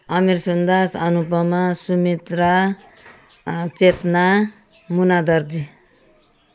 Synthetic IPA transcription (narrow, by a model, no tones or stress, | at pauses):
ʌmiɾsʌnd̪asʌnupʌmasumit̪ɾa | t͡set̪na | munad̪ʌɾd̪i